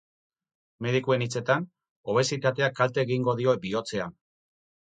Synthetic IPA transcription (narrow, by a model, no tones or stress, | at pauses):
me̞ð̞ikue̞nit͡se̞t̪an | o̞β̞e̞sit̪at̪e̞akalt̪e̞ːɣiŋɡo̞ðio̞bio̞t͡se̞a